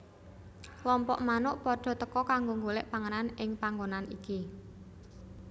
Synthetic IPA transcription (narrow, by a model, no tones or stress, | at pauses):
lɔmpɔ̰ʔmanʊʔpɔɖ̥ɔ̤t̪əkɔkaŋɡoŋɡolɪʔpaŋənanɪŋpaŋɡonaniki